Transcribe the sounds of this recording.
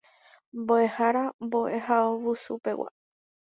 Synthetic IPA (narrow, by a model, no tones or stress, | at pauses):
mboehaɾambo̞ʔe̞haoβusupe̞wa̰